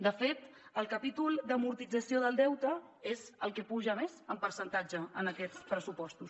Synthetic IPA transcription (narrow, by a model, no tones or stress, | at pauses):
d̪əfet̪əlˠkəpit̪ulˠd̪əmuɾt̪id͡zəsioðəlˠd̪ɛwt̪ə | ezəlˠkəpuʒəmezəmpəɾsənt̪ad͡ʒəənəkɛt͡spɾəsupɔst̪us